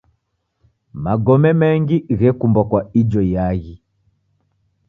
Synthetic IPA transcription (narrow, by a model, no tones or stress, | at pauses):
maɡɔmɛmɛŋɡiɣɛkumbwakwaid͡ʒɔjaɣi